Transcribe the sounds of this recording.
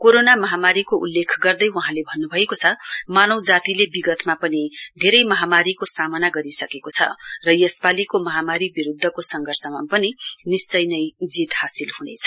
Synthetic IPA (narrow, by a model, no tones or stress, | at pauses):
koɾonamʌɦamaɾikoʔṵlːekʰɡʌrd̪ʌjwuɦãlebʱʌnːubʱʌekot͡sʰʌmanʌwd͡zat̪ilebiɡʌt̪mapʌnid̪ʱeɾʌjmʌɦamaɾikosamʌnaɡʌɾisʌkekot͡sʰʌ̰rʌjʌspalikomʌɦamaɾibiɾud̪ʱːʌkosʌŋɡʱʌrsʌmapʌninist͡sʌjnʌjd͡zit̪hasilhunet͡sʰʌ̥